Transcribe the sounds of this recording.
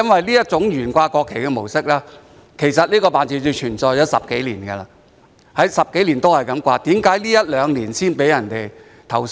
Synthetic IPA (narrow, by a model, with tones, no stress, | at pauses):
ɐ˥nwɐ˨jliː˥jɐ˥t̚t͡sʊ˨˥ŋjyː˨˩nkʷaː˧kɔː˧kʰːe˨˩jkɛ˧mo˨˩wsɪ˥k̚laː˥ | kʰe˨˩jsɐ˨t̚liː˥kɔː˧paː˨nt͡siː˧˥t͡si˧t͡ʃʰyː˨˩nt͡sɔː˨˧jɔː˨˥wsɐ̰˨p̚ke˨˥jliː˨˩nɡɛ˧laː˧ | hɐ˨˥jsɐ˨p̚ke˨˥jliː˨˩nt̪o˥hɐ˨jkɐ˨˧˥mkʷaː˧t̪iː˨˥mkaː˨˥jliː˥jɐ˥t̚lœː˨˧ŋliː˨˩nsiː˥npe˨˥jɐ˨˩nt̪e˨˩j | t̪ʰɐ˨˩w